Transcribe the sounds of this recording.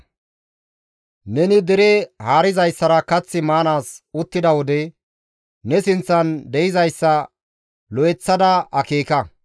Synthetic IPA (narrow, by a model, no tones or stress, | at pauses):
nɛnɪd̪ɪɾɛhaːɾɪzɐjsːɐɾɐkɐt͡sːɪmaːnaːsʊt̪ːɪd̪ɐwɔd̪ɛ | nɛsɪnt͡sːɐnd̪ɛjɪzɐjsːɐ | lɔɛt͡sːɐd̪ɐʔɐkeːkɐ